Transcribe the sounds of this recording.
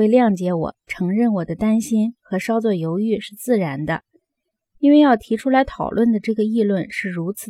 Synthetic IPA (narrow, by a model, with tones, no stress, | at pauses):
e˥˧ɪljɑ˥˩ŋt͡ɕjɛ˧˥wɔ̰˨˩˦ʈ͡ʂʰɤ˧˥ŋɻə˥˩nwɔ˨˩d̪ə˦t̪a˥nɕi˥nxɤ˧˥ʂɑ˥ʊt͡swɔ˥˩jo˧˥ʊy˥˧ʂɻ̩˥˧t͡sɹ̩˥˩ɻa˧˥nd̪ə̰˧ | i˥nwe˥˧ɪjɑ˥˩ʊt̪ʰi˧˥ʈ͡ʂʰu˥la˧˥ɪt̪ʰɑ˨˩ʊlwə˥˩nd̪ə˩ʈ͡ʂɤ˥˩ɡə˩i˥˧lwə˥˧nʂɻ̩˥˩ɻu˧˥t͡s̩ʰ˨˩